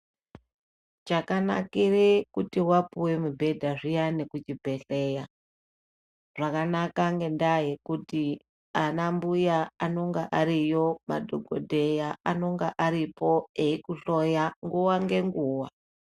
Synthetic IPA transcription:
t͡ʃakana̰kirikutiwapuwe̞mubʱe̞dʱaʐijanekut͡ʃibʱe̞ɬe̞ja | ʐ̥akanakaŋɡe̞ndaje̞kuti | anambujaano̞ŋɡaʔaɾijo̞madʱoɡʱo̰dʱe̞jaano̞ŋɡaʔaɾipoeikuɬojaŋɡuwaŋɡe̞ŋɡuːwa

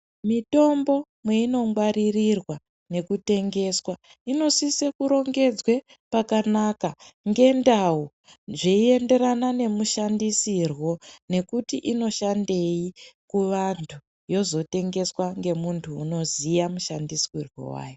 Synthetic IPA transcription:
mito̞mbo̞ | mweino̞ŋɡwaɾirirwa | ne̞kute̞ŋɡe̞swa | ino̞sisekuɾo̞ŋɡe̞d͡zwe̞ | pakanakaŋɡe̞ndau | ʐeie̞nde̞ɾanane̞muʃandisirwo̞ne̞kutiʔino̞ʃande̞ikuʋantʰu | jo̞zo̞te̞ŋɡe̞swaŋɡe̞muntʰuːno̞zijamuʃandiswirwo̞̰wa̰ːjo

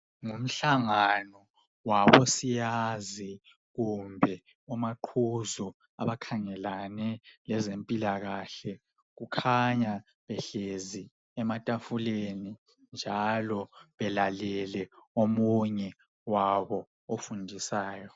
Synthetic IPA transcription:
ŋum̩ɬaŋanɔ | waβɔsijazi | ɣumbʱɛ | umaǃʰuzɔ | a̰βakʰaŋɛlanɛlɛzempʼilaɣaɬɛ | ɣukʰaɲa | βɛɬezi | ɛmatʼafuleni | nd͡ʒʱalɔβɛlalɛlɛomuɲɛ | waβɔ | ofundʱisaːjɔ

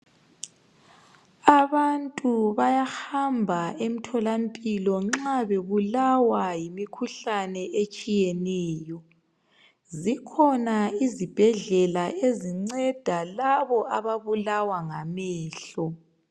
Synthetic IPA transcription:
aβantʼuβajaxambʱaem̩tʰɔlampʼilɔŋ͡ǁaβeβulawajimikʰuɬanɛʔet͡ʃʼijɛnɛːjɔ | zikʰɔnaizib̥ʱɛɮɛlaʔeziŋ͡ǀɛd̥ʱalaβɔaβaβulawaŋamɛːɬɔ

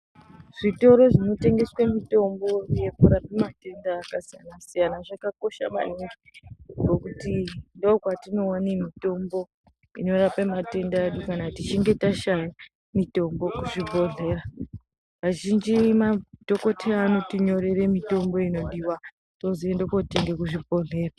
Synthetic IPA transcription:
ʐ̥ito̞ɾo̞ʐino̞te̞ŋɡe̞swemito̞mbo̞je̞kuɾapemate̞ndaːkasijanasijanaʐakako̞ʃama̰niŋɡiɡo̞kutindokwatino̞wanimito̞mbo̞ | ino̞ɾapemate̞ndaeɗukanatit͡ʃiŋɡe̞taʃaja | mito̞mbo̞kuʐibʱo̞ɮʱe̞ːra | ʋaʒind͡ʒimatoko̞tʰeːno̞tiɲo̞ɾe̞ɾe̞mito̞mbo̞ino̞ɗiwa | toziendokoteŋɡekuʐibʱo̞ɮe̞ːra

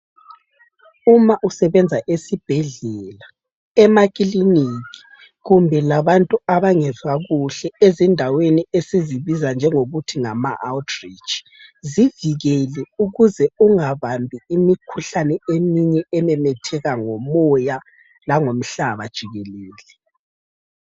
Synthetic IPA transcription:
umaʔusɛβɛnd͡zʱaʔesib̥ʱɛɮɛla | ɛmakʼiliniːk̬i̥ | ɣumbʱɛlaβantʼuaβaŋɛzwaɣuɬɛezindʱaweniesiziβizand͡ʒʱɛŋoɣutʰiŋama̰ʔaltʰʼri̥t͡ʃi̥ | ziviɣɛlɛuɣuzɛuŋaβambʱiːmikʰuɬanɛemiɲɛʔɛmɛmɛtʰɛɣaŋomɔja | laŋom̩ɬaβad̥ʒ̥ʱiɣɛleːlɛ

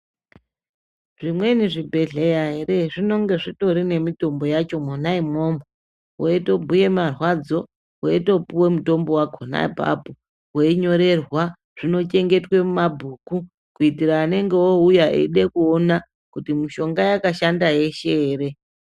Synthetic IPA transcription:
ʐimwe̞niʐibʱe̞ɮejaɦe̞re̞ʐino̞ŋɡe̞ʐito̞ɾine̞mito̞mbo̞jat͡ʃo̞monaimo̞mo | woeto̞bʱuje̞marwad͡zo̞ | weeto̞puwe̞muto̞mbo̞waɡʱona̰bʱa̰bu | weiɲo̞ɾe̞rwa | ʐ̥ino̞t͡ʃe̞ŋɡe̞twe̞mumabʱuːku | kuitiɾaːne̞ŋɡewoujaʔḛɗekuona | kutimiʃo̞ŋɡajakaʃandaje̞ʃeːre̞

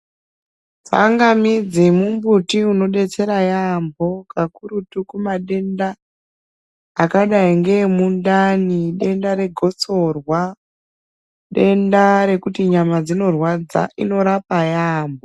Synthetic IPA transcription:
t͡sa̰ŋɡamid͡zimumbutiuno̞ɗe̞t͡se̞ɾajambo̞kakuɾutukumaɗe̞nda | kaɗaiŋɡe̞mundaniɗe̞ndaɾe̞ɡʱo̞t͡so̞rwa | ɗe̞ndaɾe̞kutiɲamad͡zino̞rwad͡za̰ʔḭno̞ɾapajaːmbo

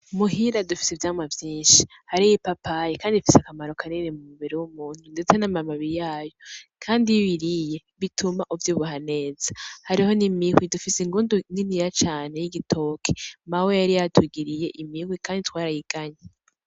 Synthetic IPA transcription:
muɦiɾadufi̥seivjaːmwavjiːnʃi̥ | haɾijipapajekaːndiafisakamaɾo̞kʰaninemumuβiɾewumuːn̥hunde̞t͡se̞namamaβiɾijaːjo̞kʰaːndiiβiɾije̞ | βitumaʔuvjuːβuɦane̞ːzahaɾiho̞nimihwidufiseiŋɡunduŋiniɾat͡ʃaːne̞jiɡitʰo̞kʰemawejaɾijatʰuɡiɾije̞ʔimihwikaːnditwaːɾahiɡ̥aɲa

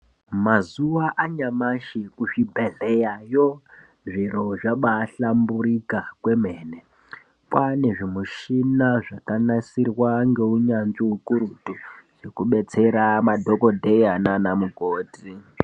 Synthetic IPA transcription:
mazuwaʔaɲamaʃikuʂibʱeɮejajo | ʐiɾoʐaɓaːɬambuɾikakwe̞meːne | pwane̞ʐimuʃinaʐakanasirwaŋɡe̞uɲanʐiukuɾutuʐ̥ekuɓe̞t͡se̞ɾamadʱo̞ko̞dʱejananamuɡʱoːti

